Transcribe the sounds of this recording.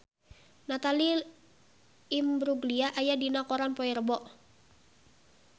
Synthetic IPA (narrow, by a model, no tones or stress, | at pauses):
nat̪ali | mbɾuɡliaʔːjadinakɔɾanpɔirbɔʔ